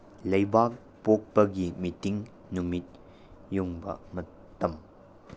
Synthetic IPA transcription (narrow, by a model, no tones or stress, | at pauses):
lɐjbak̚ | pok̚pɐɡimitiŋ | numit̚ | juŋbɐ̰mɐ | tːɐm